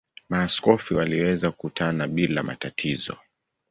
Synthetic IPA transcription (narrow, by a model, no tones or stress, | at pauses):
maːskɔfiwaliwɛzakukutʰanaɓila̰ma̰tatʰizɔ̰